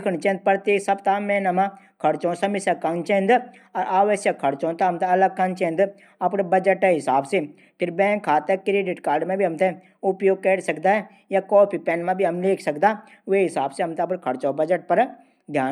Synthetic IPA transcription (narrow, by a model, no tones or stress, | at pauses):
kʰəɽ̃t͡ʃẽnd̪̚pəɾt̪eːsɐbt̪aːmẽːnɐmã | kʰɐɽt͡ʃõːsɐmɪsɐkːɐnt͡ʃẽːnd̪ | ɔɾʔaːʋəʃjɐkʰːɐɽt͡ʃõːt̪aɦɐmt̪eɐləɡ̚kɐnt͡ʃẽːnd̪ | ɐpɽbɐd͡ʒəʈɛ̃ɦɪsaːbse | pʰɪɾbɛ̃ːŋkʰːaːt̪ekɾeːɖɪʈkaːɾɖmẽbʱiɦɐmt̪e | ʊpjoːɡ̚keːɽsɐkd̪aːɦɛ | jakɔːpʰipɛːnmãbʱiɦɐmleːkʰsɐkd̪a | ʋeɦɪsaːbseɦɐmt̪eɐpɽkʰɐɽt͡ʃõbɐd͡ʒəʈ̚pɐɾ | ɡ̪ʱjaː